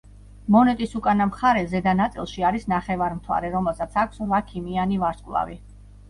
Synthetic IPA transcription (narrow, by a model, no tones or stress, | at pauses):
mɔnɛt̪ʼisukʼanamχaɾɛzɛd̪anat̪sʼḭlˠʃiaɾisnaχɛvaɾmt̪ʰwa̰ɾɛɾɔmɛlˠsat̪sʰakʷʰsvakʰimianivaɾskʼlˠa̰vḭ